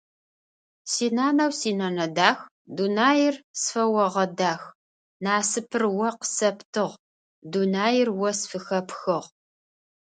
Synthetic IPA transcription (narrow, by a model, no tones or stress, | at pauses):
siːnaːnɐwsiːnɐnɐdaːx | dunaːjɪrsfɐwɐʁɐdaːx | naːsɨpʰɨrwɐqə̥sɐptʰɨʁ | dunaːjɪrwɔsfɨxɐpxɨʁ